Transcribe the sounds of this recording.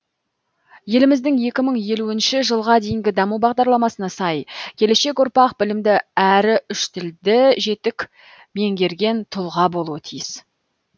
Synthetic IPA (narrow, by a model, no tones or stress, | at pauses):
je̞lɪmɪzd̪ɪŋje̞kʲɪməɴje̞luɪnʃɪʒəlˠʁɑd̪e̞jɪŋɡʲɪd̪ɑmubɑʁd̪ɑɾlˠɑmɑsənɑsɑjkʲʰe̞le̞ʃe̞kʊɾpɑqbɪlɪmd̪ɪæɾɪʏʃt̪ʰɪld̪ɪʒe̞t̪ɪkʲ | me̞ŋɡʲe̞ɾɡʲe̞nt̪ʰʊlˠʁɑbo̞lˠuwət̪ʰijɪs